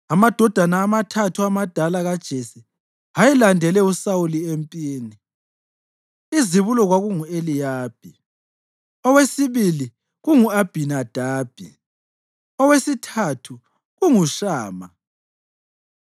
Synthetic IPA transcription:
amad̥ʱɔd̥ʱanaːmatʰatʰuamad̥ʱalaɣad̥ʒ̥ʱesi | hajɛlandʱɛlɛusawuliempʼiːni | iziβulɔɣwaɣuŋuelijaːb̥ʱi | ɔwesiβili | ɣuŋuab̥ʱinad̥ʱaːb̥ʱi | ɔwesitʰatʰu | ɣuŋuʃaːma

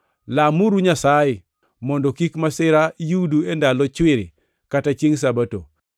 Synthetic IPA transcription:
lamuɾuɲasajɪ | mɔndɔkikmasɪɾajuduendalɔt͡ʃwɪɾɪ̰ | katat͡ʃeŋs̬abato̰

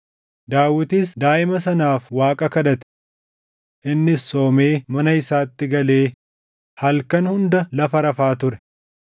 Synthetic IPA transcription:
d̪aːwɪt̪iːsd̪aːʔɪmɐsɐnaːfwaːkʼɐkɐd̪ɐt̪ɪ̥ | ʔɪnːɪsːo̞ːme̞ːmɐnɐɪsaːt̪ːɪɡɐle̞ː | hɐlkɐnhʊnd̪ɐlɐfɐɾɐfaːt̪ʊɾɛ

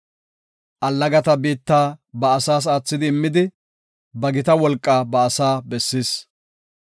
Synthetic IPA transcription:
ʔɐlːɐɡɐt̪ɐbiːt̪ːaːbɐːsaːs̬aːt͡sːɪd̪ɪːmːɪd̪ɪ | bɐɡɪt̪ɐwɔlkʼːaːbɐːsaːbɛsːiːs

